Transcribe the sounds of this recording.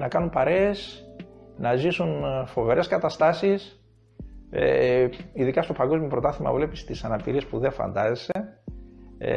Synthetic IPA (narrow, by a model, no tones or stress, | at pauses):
nɐkɐnumpɐɾe̞ːs | nɐzisunfo̞veɾe̞skɐt̪ɐst̪ɐsis | ḛiðikɐst̪o̞pɐɡo̞zmjopɾo̞t̪ɐθimɐ̰vle̞pist̪isɐnɐpiɾie̞spuðe̞fɐ̰nd̪ɐzese